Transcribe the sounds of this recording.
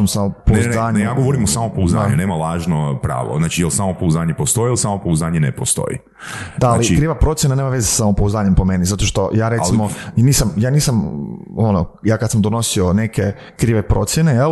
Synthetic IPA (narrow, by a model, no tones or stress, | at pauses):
mosamopouzaːɲjaːɡoʋoɾimosamopouzaːɲuneːmalaːʒnopɾa̰ːʋo̰znaːt͡ʃijelˠsaːmopouzaːɲepost̪ojiilˠsaːmopouzaːɲenepost̪o̰jḭ | d̪aaliikɾiːʋapɾo̞t̪sjenaneːmaʋe̞zesasaompouzaːɲe̞mpome̞nizat̪o̞ʃt̪o̞jaːɾe̞iimoniːsamjaːniːsamo̞nojaːkad̪samd̪o̞no̞sione̞ke̞ | kɾiːʋe̞pɾo̞̰t̪sjeneje